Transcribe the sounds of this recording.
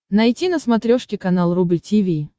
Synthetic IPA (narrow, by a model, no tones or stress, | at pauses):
nɐjtʲinəsmɐt̪ɾʲoʂkʲɪkɐnalˠrubɨtʲivʲi